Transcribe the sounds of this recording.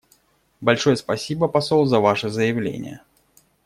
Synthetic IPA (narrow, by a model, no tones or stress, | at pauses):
balʲʂɔjəspasʲibəpasɔlˠzɐvaʂɨzəjɪvlʲḛnʲɪ̰jə̰